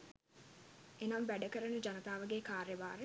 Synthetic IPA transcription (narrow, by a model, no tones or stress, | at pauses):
enambæɖəkəɾənud͡ʒanɐt̪aːʋəɡeːkaːrjɐʋaːɾe